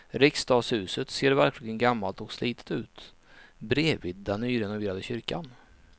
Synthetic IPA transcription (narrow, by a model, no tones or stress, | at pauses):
ɾɪkst̪ɑːɡshʉ̟ːsət̪seːɾvæɾklɪɡənɡamːalt̪ɔksliːt̪ə̥t̪ʉ̟ːt̪ | bɾeːvɪd̪̚ːɛnːyːɾɛnʊveːɾad̪əɕʏɾka̰n